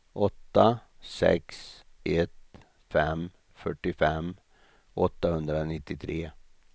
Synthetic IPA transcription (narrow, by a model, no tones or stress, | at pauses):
ʔɔt̪ːasɛ̰ksʔɛt̪ | fɛm | fœʈːɪfɛm | ɔt̪ːahɵnd̪ɾanɪt̪ːɪt̪ʰɾeː